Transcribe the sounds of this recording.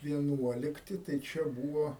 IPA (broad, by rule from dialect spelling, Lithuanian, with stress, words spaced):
ʋʲiɛˈnuɔlʲɪktʲɪ tɐɪ ˈt͡ʃʲɛ ˈbuːʋoː